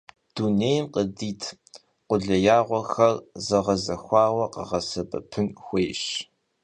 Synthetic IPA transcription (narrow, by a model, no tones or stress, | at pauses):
d̥uneːjmqʼədiːtʰ | qʷʊɮɐjaːʁʷɔxɐrzɐʁɐzɐxʷɑːwʷɐqə̰ʁɐsɐbɐ̰pʰɨnxʷeːɕ